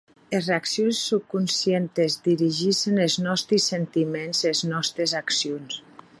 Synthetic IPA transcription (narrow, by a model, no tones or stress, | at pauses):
ezreaksjonsːup̚kunsjent̪ezd̪iɾiʒiʃenelznɔst̪ɾisent̪imenzeznɔst̪ɾezaksijons